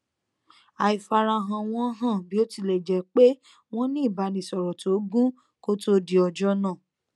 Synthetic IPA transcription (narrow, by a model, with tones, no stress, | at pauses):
a˨i˨fa˨˧ɾa˧ɦã˧w̃ɔ̃˧˦ɦã˦˨bi˨˦o˦ti˦˨lɛ˨d͡ʒɛ˨˦k͡pe˦ | w̃ɔ̃˦nĩ˦˨ba˨˦nĩ˨sɔ˨ɾɔ˨to˨˦ɡũ˦ | ko˦to˦di˨ɔ˧˨d͡ʒɔ˦nãː˦˨